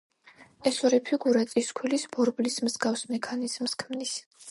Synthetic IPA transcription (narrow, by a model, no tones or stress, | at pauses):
ɛsɔɾɛpʰiɡuɾat̪ʼiskʰilisbɔɾblismzɡafsmɛkʰaniz̥mskʰmnis